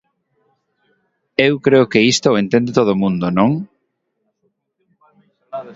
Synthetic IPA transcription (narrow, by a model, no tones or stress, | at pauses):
ewkɾeʊkeist̪oent̪ẽnd̪ɪt̪oð̞omũnd̪onõŋ